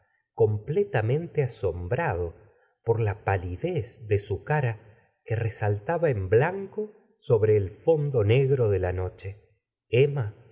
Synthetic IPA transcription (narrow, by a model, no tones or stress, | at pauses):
ko̞mplet̪amẽ̞nt̪easo̞mbɾað̞o̞ | po̞ɾlapaliðesðe̞sukaɾa | keresalt̪aβaemblaŋko̞ | so̞βɾe̞ːlfo̞nd̪o̞ne̞ɣɾo̞ðelano̞t͡ʃe̞ | ema